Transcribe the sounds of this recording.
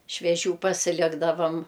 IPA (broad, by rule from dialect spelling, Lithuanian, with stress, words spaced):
ʃʲʋʲiɛˈʒʲuː pɐsʲɪˈlʲɪɡdɐʋɐm